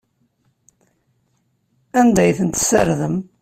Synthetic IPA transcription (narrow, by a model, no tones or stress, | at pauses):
ænd̪æjθənt̪sə̰ɾðəm